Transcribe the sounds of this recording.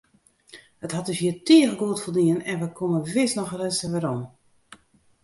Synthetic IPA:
əthat̚dəsjiətʰiəɣəɡoətfolˠdiənɛnʋəkʰoməʋɪsnɔxrɛsəʋɛɾom

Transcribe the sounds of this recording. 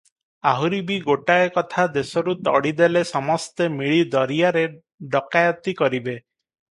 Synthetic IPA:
aɦuɾibiɡoʈaekɔt̪ʰad̪esɔɾut̪ɔ̰ɽid̪elesɔmɔst̪emiɭid̪ɔɾijaɾe | ɖɔkajɔt̪ikɔɾibe

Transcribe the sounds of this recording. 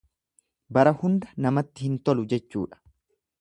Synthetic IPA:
bɐɾɐhʊnd̪ɐnɐmɐt̪ːɪhɪnt̪ɔlʊd͡ʒɛt͡ʃːṵːᶑɐ̥

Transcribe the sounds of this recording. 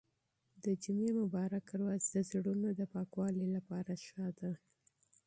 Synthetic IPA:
d̪əd͡ʒʊmemʊbɑɾak̚əɾwazd̪əzɽunod̪əpɑkwɑlilapɑɾaʃɑd̪a

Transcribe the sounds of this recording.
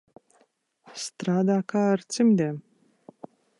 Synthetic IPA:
st̪ɾad̪akart̪t͡simd̪e

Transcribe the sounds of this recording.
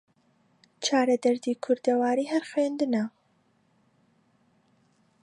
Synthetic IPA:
t͡ʃʰaːɾɐd̪ɐɾd̪iːkʰʊɾd̪ɐwaːɾiːhɐɾxweːnd̪ɨnɐ

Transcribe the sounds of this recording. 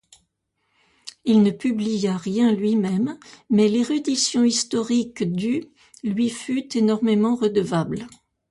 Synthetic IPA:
ilnəpyblijaʁjɛ̃lɥimɛmːɛleʁyd̪isjɔ̃ist̪ɔʁikd̪y | lɥifyt̪enɔʁmemɑ̃ʁəd̪əvabl

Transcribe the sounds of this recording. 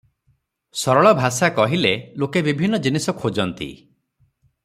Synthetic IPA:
sɔɾɔɭɔbʱasakɔɦilelokebibʱinːɔd͡ʒinisɔkʰod͡ʒɔnt̪ḭ

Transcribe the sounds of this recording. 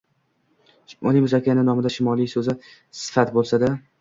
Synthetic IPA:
ʊnɪŋmʊzakʲʰːanɪnɒmɪd̪aʃɪmɒlˠijsɵzɪ | sɪ̥fat̪bolˠsad̪a

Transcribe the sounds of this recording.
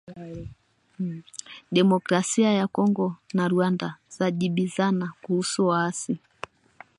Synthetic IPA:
ɗɛmɔkɾasiajakɔŋɡɔnaɾuandaz̥aʄiɓizanakuhusuwaasi

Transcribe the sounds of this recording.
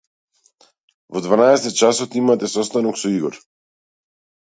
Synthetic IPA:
vɔd̪vanaɛsɛt̪ɛt̪̚t͡ʃasɔt̪imat̪ɛsɔst̪anɔksɔiɡɔɾ

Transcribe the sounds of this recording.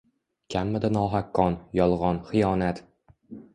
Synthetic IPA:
kʲʰamːɪd̪ɪnɒːɦakːɒnjɒlˠʁɒnχɪjɒːnat̪

